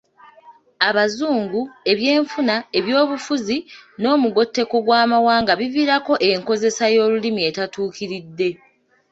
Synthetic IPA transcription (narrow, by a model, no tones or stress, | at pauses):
aβazuːŋɡue̞βje̞ːɱfunae̞βjo̞ːβufuzino̞ːmuɡo̞tːe̞ko̞ɡwaːmawaːŋɡaβiviːɾako̞ʔeŋko̞ze̞sajo̞ːlulimie̞tatuːkiɾidːe̞